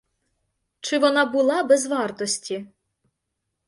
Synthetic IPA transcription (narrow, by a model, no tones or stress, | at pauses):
t͡ʃɪʋɔnɑbʊlˠɑbɛzʋɑrt̪ɔsʲtʲi